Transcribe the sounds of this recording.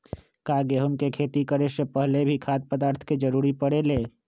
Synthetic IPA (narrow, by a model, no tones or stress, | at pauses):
kaːɡeɦʊmkekʰeːt̪ikəɾeʃəpəɦlebʱikʰaːd̪̚pəd̪aːɾt̪ʰked͡ʒəɾuːɾipəɽeleː